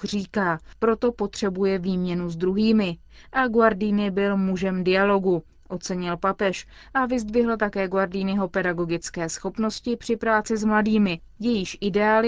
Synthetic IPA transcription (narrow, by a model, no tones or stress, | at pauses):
riːkaːpɾo̞t̪o̞po̞t̪r̝̥ɛbujɛviːmɲɛnuzd̪ɾuɦiːmɪ | ʔaɡwaɾdiːnɪbɪlmuʒɛmdɪalo̞ɡu | ʔo̞t͡sɛɲɪlpapɛʃ | ʔavɪzd̪vɪɦl̩t̪akɛːɡwaɾdiːnɪɦo̞pɛdaɡo̞ɡɪt͡skɛːsxo̞pno̞scɪpr̥ɪpɾaːt͡sɪzmladiːmɪ | jɛjɪʃʔɪdɛaːlɪ